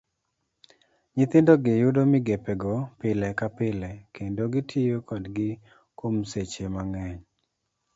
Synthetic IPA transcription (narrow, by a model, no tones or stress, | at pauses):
ɲɪt̪ɪndoɡɪjʊdomɪɡepɛɡɔpɪlɛkapɪlɛkendoɡɪtʰijokɔdɡɪ | komset͡ʃemaŋɛɲ